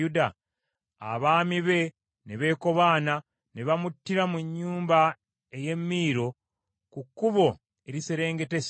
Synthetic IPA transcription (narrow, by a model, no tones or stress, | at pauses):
uda | a̰βaːmiβe̞ | neβe̞ːko̞βaːna | neβamutːiɾamuɲːuːmba | eje̞mːiːɾo̞ | kukːuβo̞ | eɾiseɾe̞ːŋɡe̞tes